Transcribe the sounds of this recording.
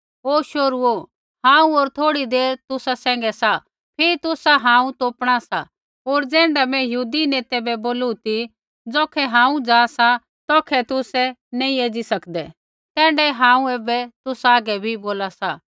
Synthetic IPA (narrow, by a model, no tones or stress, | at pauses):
oːʃoɾuo | ɦãːũoːɾt̪ʰoːɽid̪eːɾt̪ʊsasɛ̃ːŋ̆ɡɛsa | pʰɪɾit̪ʊsaɦãːũt̪oːpɽ̃asa̰ | oːɾd͡zɛ̃ːɳɖamɛ̃jəɦuːd̪ineːt̪ɛbɛboːlut̪i | d͡zɔːkʰɛɦãːũd͡zaːsa | t̪ɔːkʰɛt̪ʊsɛneĩeːd͡zisɐkd̪ɛ | t̪ɛ̃ːɳɖɛɦãːũeːbɛt̪ʊsaːɡɛbʱiboːlasa